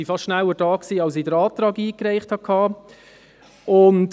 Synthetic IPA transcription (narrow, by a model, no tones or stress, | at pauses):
ifɑstʃnæwədɑːksiːɑlsidəɾɑːtɾɑːɡiːkɾɛɪχthɑkʰɑː | ʊnt